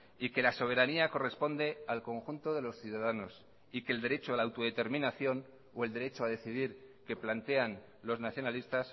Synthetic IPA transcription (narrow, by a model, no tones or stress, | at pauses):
ike̞laso̞β̞e̞ɾaniako̞re̞spo̞nd̪e̞alko̞ŋxunt̪o̞ðe̞lo̞sθjuðaðano̞s | ike̞ld̪e̞ɾe̞t͡ʃoalaːwt̪o̞ðe̞t̪e̞ɾmĩnaθjo̞n | oe̞ld̪e̞ɾe̞t͡ʃoað̞e̞θiðiɾke̞plant̪e̞an | lo̞znaθjo̞nalist̪as